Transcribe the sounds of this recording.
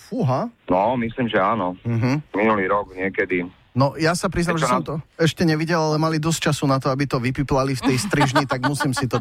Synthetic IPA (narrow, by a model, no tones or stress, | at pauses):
fuɦanɔmisliːmʒɛaːnɔm̩ɦ̩minuliːɾɔɡɲɪɛkɛd̪i | nɔjasapɾiznɛamʒɛɛsɔmt̪ɔɛʃcɛɲɛʋiɟɛlalɛmalid̪ɔst͡ʃasunat̪ɔabit̪ɔʋipiplalift̪ɛjst̪ɾiʒɲit̪aɡmusiːmsit̪ɔ